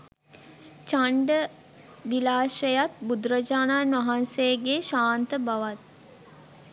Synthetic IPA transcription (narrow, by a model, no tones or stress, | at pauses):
t͡ʃaɳɖə | ʋilaːʃəjat̪bud̪ɾəd͡ʒaːnaːnʋaɦansejɡeʃaːnt̪əbaʋat̪̚